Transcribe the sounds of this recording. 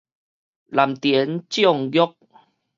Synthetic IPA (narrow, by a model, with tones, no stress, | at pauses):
la˨˩mt̪jə˨˦nt͡ɕjɔ˥˨ŋɡjɔ˦k̚